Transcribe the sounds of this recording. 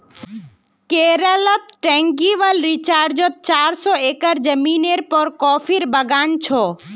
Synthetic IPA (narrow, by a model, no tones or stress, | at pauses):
keːɾələt̪ʈɛ̃ːŋɡiʋəlɾit͡ʃaːɾd͡ʒət̪̚t͡ʃaːɾsɔeːkəɾd͡ʒəmiːneɾpɔɾkɔːpʰiɾbəɡaːnt͡ʃʰɔː